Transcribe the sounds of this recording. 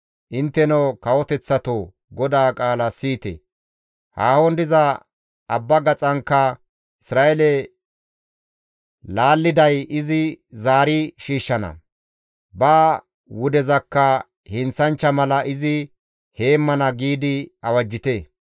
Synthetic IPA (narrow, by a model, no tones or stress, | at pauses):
ʔɪnt̪ːɛnokɐwɔt̪ɛt͡sːɐt̪o | ɡɔd̪aːkʼaːlɐsiːt̪ɛ̰ | haːhɔnd̪ɪzɐ | ɐbːɐɡɐt͡sʼɐŋkːɐ | ɪsɾaːʔɛlɛ | laːlːɪd̪ɐjɪzɪzaːɾɪʃiːʃːɐnɐ̰ | baː | wʊd̪ɛzɐkːɐ | hɪnt͡sɐnt͡ʃːɐmɐlɐʔɪzɪ | he̞ːmːɐnɐɡiːd̪ɪɐwɐd͡ʒːɪt̪e